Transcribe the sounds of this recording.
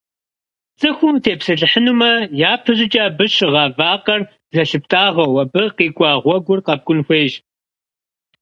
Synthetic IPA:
t͡sʼɨxʷʊmtʰeːpsɐɬʼɨħənumɐjaːpʰɨʑɪt͡ʃʼaːbɨɕʁɑːvaːqɐr | zɐɬɨp̚tʼaːʁɐwɐbɨqiːɡʷʼɑːʁʷɔɡʷʊrqɐb̚ɡʷʼʊnxʷeːʒ

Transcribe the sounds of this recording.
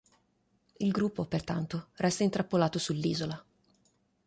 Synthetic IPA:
ilɡɾupːopert̪a̰nt̪orɛst̪aint̪ɾapːolaːt̪osulːiːzola

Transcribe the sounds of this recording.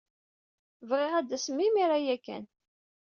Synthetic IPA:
vʁɪʁæd̪ːæsmːimiɾæjækːæ̰n

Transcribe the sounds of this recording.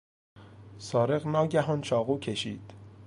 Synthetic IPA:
sɒːɾe̞ɣnɒːɟæɦɒːnt͡ʃʰɒːɣuːcʰe̞ʃiːd̪̥

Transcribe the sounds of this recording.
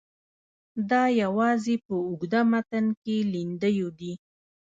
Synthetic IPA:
d̪ɑjawɑzepəʊɡd̪amat̪ankelind̪əjod̪i

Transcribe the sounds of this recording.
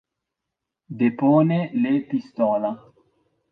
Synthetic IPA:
d̪eponelepist̪ola

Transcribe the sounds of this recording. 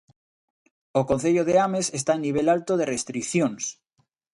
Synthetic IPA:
okõn̟θeʎoð̞eameses̬t̪aeniβ̞elalt̪oð̞erest̪ɾikθjoŋs

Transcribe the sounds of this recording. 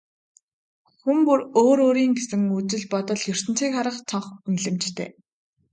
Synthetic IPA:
xumpuroːɾoːɾiːŋɡesɘ̆ŋut͡sɘ̆ɮpɔt̪ɞ̆ɮjɵr̥t̪ɘ̆n̥t͡siːkχaɾə̆qt͡sʰɔɴχunɮɘ̆mt͡ɕt̪ʰḛː

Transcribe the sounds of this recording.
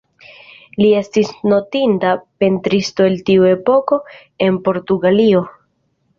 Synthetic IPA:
lie̞stisno̞tindape̞ntɾisto̞eltiue̞po̞ko̞ | e̞npo̞ɾtuɡalio̞

